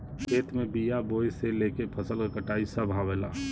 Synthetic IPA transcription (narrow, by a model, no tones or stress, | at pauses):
kʰeːt̪mebijabojselekepʰəsəlekəʈaisəbʱabela